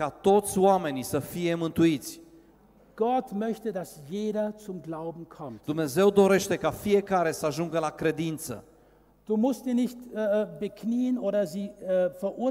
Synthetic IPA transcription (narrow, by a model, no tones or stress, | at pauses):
kat̪o̞t̪sʲwame̞nisəfije̞mɨnt̪uit̪sʲ | ɡ̥ɔtmœçtədasjeːdɐt͡sʊmɡlaʊbm̩kʰɔmt̪d̪umne̞ze̞wd̪o̞ɾe̞ʃt̪e̞kafije̞kaɾe̞səaʒuŋɡəlakɾe̞d̪int̪sə̰ | d̥uːmʊstz̥iːnɪçtbekniːənʔoːɾɐziːfɛɐʔuɐ